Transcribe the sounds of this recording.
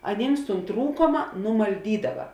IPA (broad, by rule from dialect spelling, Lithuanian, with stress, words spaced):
ɐˈnʲiːms tuːn ˈtruːkoːmɐ nʊmɐlʲˈdʲiːdɐʋɐ